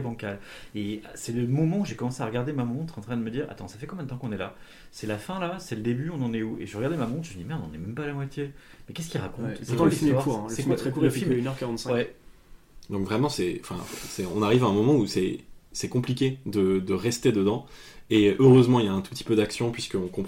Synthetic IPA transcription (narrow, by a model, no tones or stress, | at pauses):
ɛbɑ̃kal | esɛləmɔmɑ̃uʒekɔmɑ̃seaʁəɡaʁd̪emamɔ̃t̪χɑ̃t̪χɛ̃d̪əməd̪iʁa̰t̪ɑ̃safɛkɔ̃mjɛ̃d̪ət̪ɑ̃kɔ̃nɛla | sɛlafɛ̃lasɛləd̪ebyɔ̃nɑ̃nɛuḛʒeʁəɡaʁd̪emamɔ̃t̪χʒəməd̪imɛʁnɑ̃nɛmɛmpalamwat̪je | mɛkʲɛskʲilʁakɔ̃t̪skt̪əisfitmɛwaʁkuʁ̃əɛilmɛt̪χɛkuʁəfilmynœʁkaʁɑ̃t̪sɛwɛ | d̪ɔ̃kvʁɛmɑ̃sɛɑ̃fɛ̰̃sɛɔ̰̃naʁivaɛ̃mɔmɑ̃usɛsɛkɔ̃plikʲed̪əd̪əʁɛst̪ed̪əd̪ɑ̃eʔøʁøzmɑ̃ilaɛ̃t̪u̥pət̪i̥pød̪aksjɔ̃pɥiskəɔ̃kɔ̃p